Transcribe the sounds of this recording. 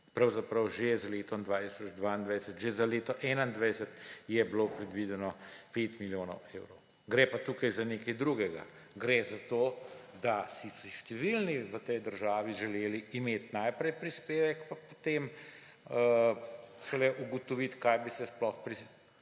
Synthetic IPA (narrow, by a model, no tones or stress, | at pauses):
pɾawzapɾɐwʒezaleːt̪ɔmd̪ʋaːt̪isɔt͡ʃd̪ʋaind̪ʋajsət̪ʒezaleːt̪ɔʔɛːnaind̪ʋajsɛt̪jɛblopɾɛd̪ʋid̪ɛnɔpet̪miljoːnɔ̰weːwɾɔw | ɡɾepat̪ukajzaneːkɐjd̪ɾuɡɛɡa̰ | ɡɾezat̪oːd̪asisiʃt̪ɛʋilniʋət̪ɛjd̪əɾʒaːʋiʒɛleːliimeːt̪najpɾɛjpɾispeːʋɛkpapot̪em | ə | ʃɛlɛʔuɡɔt̪ɔʋit̪kajbisɛsplɔxpɾi